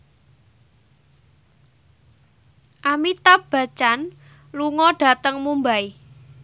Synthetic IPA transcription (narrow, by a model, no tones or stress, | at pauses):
ʔamit̪ab̥a̤t͡ʃan | luŋɔɖ̥a̤t̪əŋmumbai